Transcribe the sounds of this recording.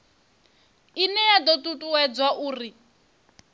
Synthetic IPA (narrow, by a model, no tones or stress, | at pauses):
inɛjad̪ɔtʼutʼuwɛd͡zwaʔuːri